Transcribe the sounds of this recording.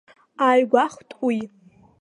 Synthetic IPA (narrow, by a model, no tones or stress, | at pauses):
aɥɡʷaχʷtʼʷuj